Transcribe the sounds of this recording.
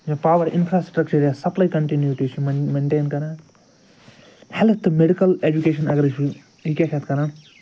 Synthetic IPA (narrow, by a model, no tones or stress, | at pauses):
jẽpaːwɐɾḭnpʰɾaːsʈɾɐk̚t͡ʃɐɾjasɐplajkɐɳʈinjuʈit͡ʃʰimmeɳʈeːnkɐɾã | hɛlɐt̪ːɨmeɖikɐled͡ʒukeʃɐnɐɡɾeʃu | ɦikʲakʰet̪kɐɾã